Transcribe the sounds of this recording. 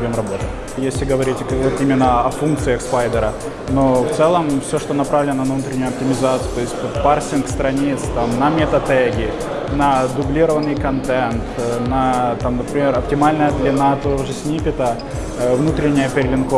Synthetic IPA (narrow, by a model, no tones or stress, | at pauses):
vʲomrɐbo̞t̪ə | jesʲlʲɪɡəvɐɾʲitʲvot̪imʲɪnːəɐfunk̚t̪sɨjəxspajd̪əɾə | no̞ft̪sɛlˠəmfsʲoʂt̪onɐpɾavlʲɪnənəɐvnut̪ɾʲɪnʲːʊjʊɐp̚tʲɪmʲɪzat̪sɨjt̪o̞ɪsʲt̪̚ʲparsʲɪnkst̪ɾɐnʲit̪st̪amnɐmʲɪt̪ɐt̪ɛɡʲɪ | nɐd̪ʊblʲiɾəvənːɨjkɐnt̪ɛnt̪nɐt̪amnəpɾʲɪmʲe̞ɾɐptʲɪmalʲnəjəd̪lʲɪnat̪ojoʐɨsʲnʲipʲɪt̪ə | vnut̪ɾʲɪnʲːɪjəpʲɪɾʲɪlʲɪnko